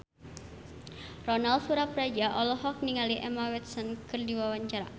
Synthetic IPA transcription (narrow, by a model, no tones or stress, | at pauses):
rɔnalfuɾapɾad͡ʒaʔɔlɔɦɔk̚niŋaliʔɛmawɛt̪̚sɔnkɨrdiwawaɲt͡ʃaɾa